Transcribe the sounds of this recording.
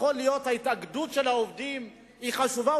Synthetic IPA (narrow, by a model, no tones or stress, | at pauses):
χolijo̞thait̪aɡdutʃe̞laovd̪im | iχaʃuva